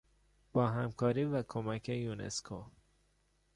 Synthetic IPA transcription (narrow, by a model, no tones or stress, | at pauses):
b̥ɒːɦæmkʰɒːɾiːvækʰomækʰejunḛskʰo